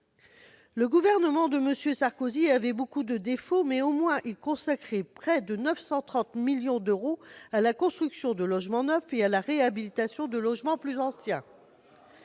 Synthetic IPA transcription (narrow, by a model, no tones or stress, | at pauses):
ləɡuvɛʁnəmɑ̃d̪əməsjøsaʁkoziavɛbokud̪əd̪efomɛomwɛ̃ʔilkɔ̃sakχɛpχɛd̪ənœfsɑ̃t̪χɑ̃t̪miljɔ̃d̪øʁoalakɔ̃st̪χyksjɔ̃d̪əlɔʒmɑ̃nœfealaʁeabilit̪asjɔ̃d̪əlɔʒmɑ̃plyzɑ̃sjɛ̃